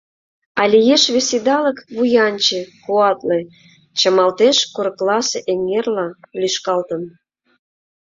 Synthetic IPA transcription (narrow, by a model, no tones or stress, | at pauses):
ɑlʲijeʃβesed̪ɑləkβujɑnt͡ɕekuɑt̪le | t͡ɕəmɑlt̪eʃkoɾklɑseʔeŋːerlɑlyʃkɑlt̪ə̆n